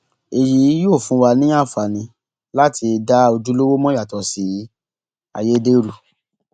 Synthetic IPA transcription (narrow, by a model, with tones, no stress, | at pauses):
e˨ji˨˦joː˦˨fũ˨˦wa˧nĩ˦a˦˨fa˨nĩ˧ | la˦ti˧da˦o˧d͡ʒu˦lo˦wo˦mɔ̃˦ja˦˨tɔ˨si˨˦˨ | a̰˨je˨˦de˦ɾu˦˨